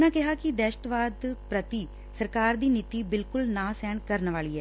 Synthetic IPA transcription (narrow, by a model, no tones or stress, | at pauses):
nãːkɪɦaːkɪd̪ɛːʃʈʋaːd̪pɾət̪iː | səɾkaːɾd̪iːnit̪iːbɪlkʊlnãːsɛːɳkəɾnʋaːliːɦɛː